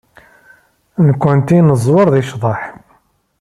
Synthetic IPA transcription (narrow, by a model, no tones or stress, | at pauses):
nkʷːʊnt̪inəzˤwəɾˤðiʃðˤɑħ